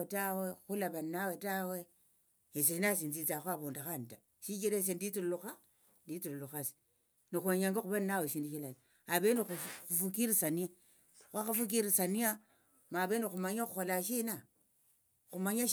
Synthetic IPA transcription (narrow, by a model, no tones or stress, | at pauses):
etawexulaβanːawetawe | es̬einas̬int͡sit͡saxwaβondaxanta | ʃikiɾes̬enditulluxa | nditulluxas | nixweɲaŋɡaxuβanːaweʃindiʃilal | aβeniufukiɾisania | xʷwaxafuk̬iɾisania | maβenixumaɲaxuxolaʃina | xumaɲaʃ